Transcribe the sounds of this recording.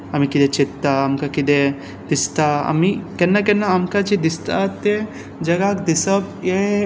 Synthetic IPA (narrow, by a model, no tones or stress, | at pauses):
ɐmikid̪et͡ʃit̪ːaːmkakid̪e | d̪̥ist̪aɐ̰mikɛnːakɛnːaːmkad͡ʒid̪ist̪a̰t̪ːe | d͡ʒɐɡakd̪isɐbje